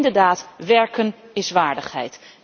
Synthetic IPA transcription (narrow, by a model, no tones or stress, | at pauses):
ndəɹdaːtʋɛɹkənɪsʋaːɹdəχɦɛ̰jt